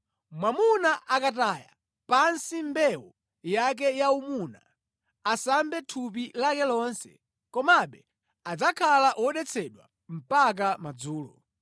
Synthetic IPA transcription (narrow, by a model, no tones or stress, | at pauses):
mwamunaʔakat̬aja̰ | pansimbɛwɔ | jak̬ɛjaumuna̰ | asambɛtʰup̬ilakɛlɔnsɛ̥̰ | kɔmaɓɛ | ad͡zakʰalaʔwɔɗɛt͡sʰɛɗwa̰ | m̩pak̬amad͡zuːlɔ